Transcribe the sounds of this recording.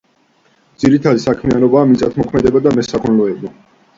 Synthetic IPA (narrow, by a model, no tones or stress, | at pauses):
d̪z̥iɾit̪ʰad̪isakʰmianɔbaːmit̪sʼat̪ʰmɔkʰmɛd̪ɛbad̪amɛsakʰɔnlɔɛba